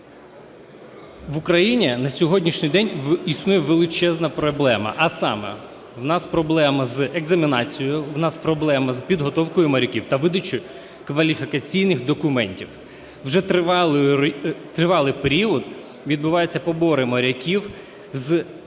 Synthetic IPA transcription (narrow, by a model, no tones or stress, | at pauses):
ʋʊkɾɐjinʲinɐsʲɔɦɔdʲnʲiʃnʲɪjd̪ɛnʲisnujɛʋelˠɪt͡ʃɛznɐpɾɔblˠɛmɐ̰ʔɐsɑ̰mɛ̰ | ʋnɑspɾɔblˠɛmɐzeɡzɐmʲinɑt͡sʲijɔjʊʋnɑspɾɔblˠɛmɐzpʲid̪ɦɔt̪ɔwkɔjʊmɐɾʲɐkʲiwt̪ɐʋɪd̪ɐt͡ʃʊ | kʋɐlʲifʲikɐt͡sʲijnɪxd̪ɔkʊmɛnʲtʲiw | wʒɛt̪ˠ | t̪ɾɪʋɑlˠɪpeɾʲiɔd̪ | ʋʲid̪̚bʊʋɑjʊt͡sʲːɐpɔbɔɾɪmɐɾʲɐkʲiw | z